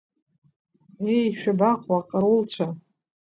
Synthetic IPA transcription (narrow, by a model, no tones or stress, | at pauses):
ejʃᶣabaqʷʼwaqʼaɾult͡ɕʷʰa